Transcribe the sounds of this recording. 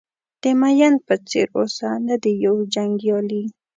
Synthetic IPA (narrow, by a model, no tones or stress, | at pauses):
t̪emajanpat͡sɪ̰ɾosand̪ad̪ɪjawd͡ʒaŋɡjoli